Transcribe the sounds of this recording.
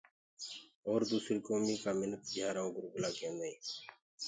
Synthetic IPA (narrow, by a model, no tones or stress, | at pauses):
oːɾd̪uːsɾiːkoːmiːkaːmɪnət̪̚d͡ʒaːɾaõːɡʊɾɡlaːkẽːnd̪aĩː